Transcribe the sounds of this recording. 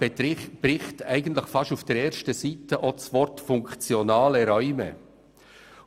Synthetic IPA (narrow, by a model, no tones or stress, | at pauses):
b̥ɾɪχtæɪɡən̩t̪lɪxfɑʃaʊfd̥eɾeːɾʃtəziːtəʔɔtsvɔɾtfʊŋkt͡sjonɑːləɾœʏmə̰